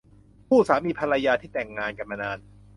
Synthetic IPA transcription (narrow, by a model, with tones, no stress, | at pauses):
pʰuː˥˩saː˩˦miː˧pʰa˧ɾa˧jaː˧t̪ʰiː˥˩t̪ɛ˨˩ŋːaː˧nka˧˩ma˧naː˧n